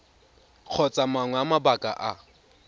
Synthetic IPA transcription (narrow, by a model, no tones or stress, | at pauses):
q͡χʰɔt͡sʼamaŋwɛamabakʼa̰ʔa